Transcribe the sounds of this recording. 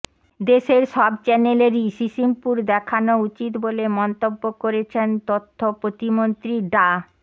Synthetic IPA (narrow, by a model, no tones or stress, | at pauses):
d̪eʃeɾʃɔbt͡ɕɛneleɾiʃiʃiŋpuɾd̪ɛkʰanout͡ɕit̪bolemɔnt̪obːokoɾet͡ɕʰent̪ot̪ʰːopɾot̪imont̪ɾiɖa